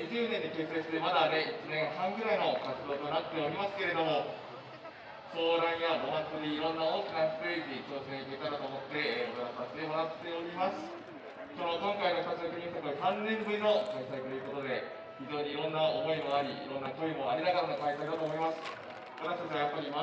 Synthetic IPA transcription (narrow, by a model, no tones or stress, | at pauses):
ʑɨːnẽ̞ɲ̟ːike̞sɨ̥esɨ̥t̪e̞mad̪ane̞it͡ɕinẽ̞ɰ̃ɦãŋɡɯ̟ɾaino̞kat͡sɨd̪o̞ːt̪o̞nat̪ːe̞o̞ɾʲimasɨ̥ke̞ɾe̞d̪o̞mo̞ | so̞ːɾãɰ̃jaɡomat͡sɨɾʲiːɾõ̞nːao̞ːkʲinasped͡ʑʲiko̞ːsẽɰ̃iket̪aɾat̪o̞ːmo̞t̪ːe̞okaɾasaɕi̥t̪emoɾat̪ːe̞o̞ɾʲimasɨ̥ | ko̞nokõ̞ŋkainokt̪asid̪okiɲit̪akɯiɦãnːẽmbɯ̟ɾʲino̞kaisait̪o̞jɯ̟ko̞t̪o̞d̪e̞ | çid͡ʑo̞ːɲ̟iːɾõ̞nːaomo̞imoaɾʲiḭɾõ̞nːakoimo̞aɾʲinaɡaɾanokait̪aid̪at̪o̞ːmo̞imasɨ̥ | mat̪akat͡ɕβajapːaɾʲima